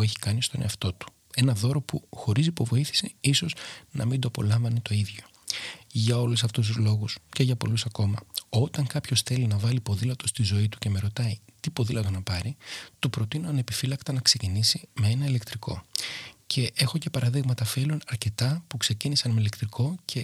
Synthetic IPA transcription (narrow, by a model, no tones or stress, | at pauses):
eçi̥kɐnist̪o̞nḛɐft̪o̞t̪u̥ | e̞nɐðo̞ɾo̞puxo̞ɾisipo̞vo̞iθi̥siiso̞znɐ̰mind̪oɐpo̞̰lɐɱvɐnet̪o̞iðʝo̞̥ | ʝɐo̞lusɐft̪us̬t̪uzlo̞ɣusce̞ʝɐpo̞lusɐko̞mɐo̞t̪ɐŋkɐpço̞sθe̞linɐvɐlipo̞ðilɐt̪o̞st̪izo̞it̪u̥ce̞me̞ɾo̞t̪ɐit̪ipo̞ðilɐt̪o̞nɐpɐɾit̪upɾo̞t̪ino̞ɐne̞pifilɐkt̪ɐnɐkse̞cinisime̞e̞nɐile̞kt̪ɾiko̞̰cʰe̞ʔe̞xo̞ce̞pɐɾɐðiɣmɐt̪ɐfilunɐɾce̞t̪ɐpukse̞cinisɐnmelekt̪ɾiko̞cʰe̞